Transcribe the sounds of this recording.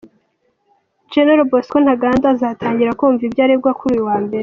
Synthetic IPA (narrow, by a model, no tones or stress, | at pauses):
d͡ʒeneɾoboskon̥haɡaːndazatʰaːɲɟiɾakuːɱvibjaːɾeb̚ɡwakuɾuːjuwaːmbe̞ɾe